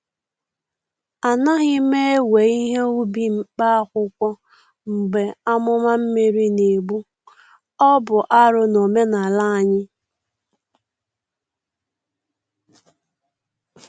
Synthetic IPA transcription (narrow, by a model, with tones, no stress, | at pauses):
a˨na˦ɣɪ˦me˦e˦we˨i˦ɦe˦u˦bi˦ŋ͡m̩˦˨k͡pa˦a˦kʷʊ˦kʷɔ˦ | ŋ͡m̩˨ɡ͡be˨a˦mʊ˦ma˦m̩˦me˨ɾi˦ne˨bu˦ | ɔ˦bʊ˨ʔa˦ɾʊ˦no˨me˦na˨la˦a˨ɲɪ˦